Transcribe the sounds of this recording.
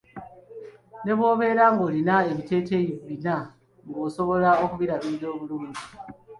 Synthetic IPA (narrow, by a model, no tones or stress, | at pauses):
ne̞βwo̞ːβe̞ɾaŋɡolinae̞βite̞ːte̞joββina | ŋɡoso̞βo̞laokuβiɾaβizo̞ːβuluːnɟi